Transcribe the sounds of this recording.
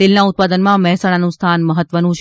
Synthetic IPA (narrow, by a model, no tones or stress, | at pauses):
elnaʊt̪̚pad̪ənmãmɛɦsaɽ̃anũst̪ʰanməɦət̪ːʋənũt͡ʃʰ